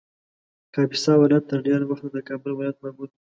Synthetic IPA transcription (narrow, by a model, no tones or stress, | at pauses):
kɑbisɑwɪlɑjat̪ːəɾɖeɾawaxt̪ad̪əkɑbəlwɪlɑjat̪̚mamud̪̚